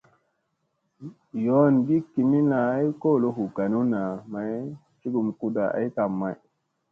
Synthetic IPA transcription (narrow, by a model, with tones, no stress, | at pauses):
jo˦nɡi˦ki˨mi˦la˨a˦jko˦˨lo˦ɦu˨ɡa˨nu˦na˨ma˨j | t͡ʃi˦ɡu˨mku˦da˨a̰˨jta˨mːa˨j